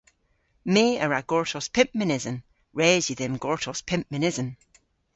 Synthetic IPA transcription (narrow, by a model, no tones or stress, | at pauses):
meːəɹaɡ̥ɔɹtʰɔspʰɪ̃mpmɪnɪzə̃n | ɹɛzjiðɛmɡɔɹtʰɔspʰɪmpmɪnɪzən